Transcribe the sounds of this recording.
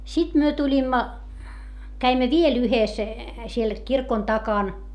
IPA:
sit myø tulʲimːɑ kæimːæ ʋiel yhes siel kirkon tɑkɑn

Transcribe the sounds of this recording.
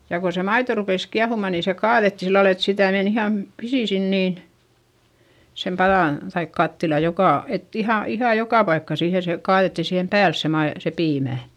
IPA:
jɑ ko se mɑito rupeˑs kiɑhumɑˑ niː se kɑːðetːi silːɑl et sitæˑ men ihɑˑm pisi sin niːn sem pɑðɑˑn tɑik kɑtːilɑ jokɑˑ et ihɑ ihɑˑj jokɑˑ pɑikːɑ siːhe se kɑːðetːi siːhem pæːls se mɑi se piːmæˑ

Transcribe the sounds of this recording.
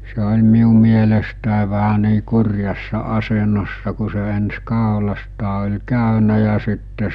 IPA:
se olʲ miu mielestæˑe ʋæhæ niː kurʲjɑsːɑ ɑsenosːɑ ku se ens kɑˑolɑstɑː olʲ kæˑynæ jɑ sitːe

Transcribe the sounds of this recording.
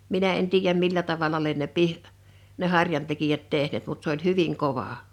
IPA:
minæ en tiːjæm milːæ tɑʋɑlɑ lien ne pih ne hɑrjɑntekijæt tehneːt mut s olʲ hyʋiŋ koʋɑ

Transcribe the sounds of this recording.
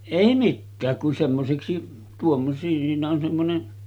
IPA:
eˑi mikːæːk kun semːoseksi tuom siːnæ on semːone

